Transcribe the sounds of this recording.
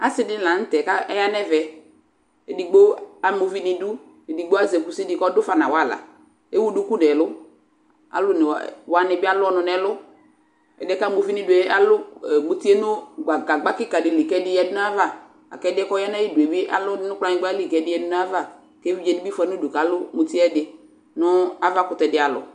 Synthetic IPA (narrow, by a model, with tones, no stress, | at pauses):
a˦sɪ˦dɪ˦n˦la˨n̩˦tɛ˨ka˦ɛ˦ja˦nɛ˦vɛ˨ | e˨di˨ɡ͡bo˦a˦mo˨vi˦nɪ˧du˦ | e˨di˨ɡ͡bo˦a˦zɛ˨ku˨sɪ˦dɪ˨kɔ˦dʊ˦fa˨nã̰˨wa˦˨la̰˨ | e˦wu˦du˦ku˦dɛ˨lʊ˦ | a̰˨lʊ˦n˨wa˨nɪ˧˨bɪ˦a˦lʊ˦ɔ˦nʊ˨nɛ˦lʊ˦ | ɛ̰˨dɛ˦ka˦m˨o˨vi˦nɪ˦dʊ˨e˨˦a˦lʊ˦˨mo˨ti˦ɛ˦nʊ˦ɡ͡ba˨ɡa˨ɡ͡ba˦kɪ˦ka˨dɪ˨li˨kɛ˦dɪ˦jɛ˧˦dʊ˦n˦a˦va˦˨ | a̰˨kɛ˦dɪ˦ɛ˦kɔ˦ja˦nɛ˦ji˦du˨ɛ˨bɪ˦ʔa̰˦lʊ˦ɪ˦nʊ˦k͡pla˦ɲɪ̃˦ɡ͡ba˦li˨kɛ˨dɪ˨˦ɛ˦dʊ˦n˦a˦va˦˨ | ke˦vi˦d͡ʒɛ˨ni˦bi˦fɛ˦nu˦du˨ka˨˦lʊ˦mo˨ti˦ɛ˦dɪ˦ | nʊ˦a˦va˦kʊ˨tɛ˨dɪ˨˦a˨lʊ̰˨